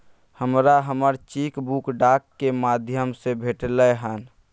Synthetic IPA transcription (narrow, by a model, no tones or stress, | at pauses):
həmɾaɦəməɾt͡ʃikbukɖakːemad̪ʱjəmsebʱeʈləɦən